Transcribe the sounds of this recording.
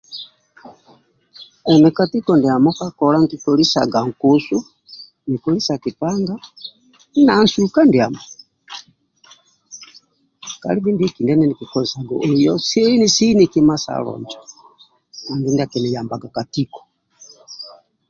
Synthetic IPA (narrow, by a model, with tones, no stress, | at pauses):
ɛ˨nɛ˨ka˨ti˦kɔ˨ndi˨a˨mɔ˦ka˦kɔ˨ɾa˦ŋ̩˨ki˨kɔ˨ɾi˦sa̰˨ɡa˨ŋ̩˨ko˨su˦ | ni˨kɔ˨ɾi˦sa˨ki˨pa˦ŋɡa˦ | na˨nsu˦ka˦ndi˨a˨mɔ˨ | ka̰˨li˦vi˦ndki˨ndɛ˦nɛ˦ni˨ki˨kɔ˨ɾi˨sa˨ɡɔ̰˨ʔo˨jɔ˦si˦ni˦si˦ni˨ki˦ma˦sa̰˨ɾɔ̰˨ɲd͡ʒɔ˨ | a˨nɡi˦ndi˦a˨kɛ˨nɛ˨ja˨mba˨ɡa˨ka˨ti˦kɔ̥˨